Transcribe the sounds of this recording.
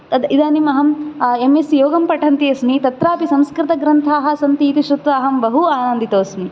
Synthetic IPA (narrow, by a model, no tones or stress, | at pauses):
t̪ɐd̪id̪aːnimɐɦɐmemesjoːɡɐmpɐʈʰɐnt̪iɐsmit̪ɐt̪ɾaːpisɐmskɾɪt̪ɐɡɾɐnt̪ʰaːɦɐ̆sɐnt̪iːt̪iʃɾut̪ʋaːɦɐmbɐɦuaːnɐnd̪it̪oːsmi